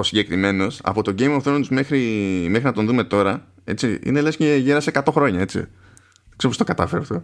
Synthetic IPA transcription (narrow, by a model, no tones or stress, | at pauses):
osiɲɟe̞kɾime̞no̞sɐ̰po̞t̪o̞ɟe̞jmofθoond̪uzme̞xɾimexɾinɐt̪o̞nðume̞t̪o̞ɾɐ | e̞̰t͡siḭnelesceʝeɾɐsekɐt̪o̞xɾo̞ɲɐe̞t͡sḭ | e̥kseopostokɐt̪ɐfeɾɐft̪o̞